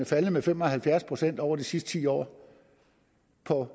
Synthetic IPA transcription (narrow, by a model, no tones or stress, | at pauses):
efæləmefem̰ɒ̽hælfjæɐspʰʁo̝sen̰d̥ɒʊ̰ɐd̥isisd̥ə̥t͡sʰḭːɒ̰ː | pʰɒ̽